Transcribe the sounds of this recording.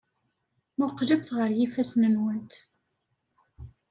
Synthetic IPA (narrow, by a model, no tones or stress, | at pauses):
mʊqləbθʁəɾjifæsnənwənt̪